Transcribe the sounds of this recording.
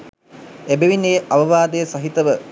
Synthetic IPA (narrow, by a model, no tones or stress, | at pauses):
ebeʋineːʔaʋəʋaːd̪əjəsaɦit̪əʋə